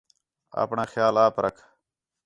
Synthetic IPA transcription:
a̰pɳaxjaːlaːpɾɐkʰ

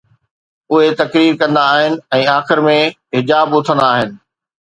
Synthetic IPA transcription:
ʊɦet̪ɐkɾiːɾkɐ̃nd̪aːɦɪnɪ̆ɛ̃ːaːxɪɾmẽ | ɦɪd͡ʑaːbʊt̪ʰə̃nd̪aːɦɪnɪ̆

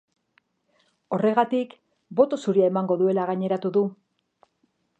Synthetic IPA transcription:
o̞re̞ɣat̪ik | bo̞t̪o̞suɾiae̞maŋɡo̞ðue̞laɣaɲe̞ɾat̪uðu

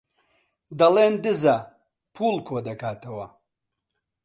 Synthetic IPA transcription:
d̪ɐleːnd̪ɨza | pʰuːlkʰoːd̪ɐkʰaːt̪ʰɐwɐ

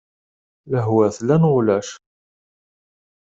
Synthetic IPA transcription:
læɦwæθlænʁʊlæʃ

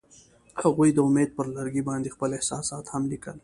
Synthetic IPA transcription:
haɣujd̪əʊmeːd̪̚pəɾlaɾɡibɑːnd̪ixpəlehsɑːsɑːt̪hamlikə̰l

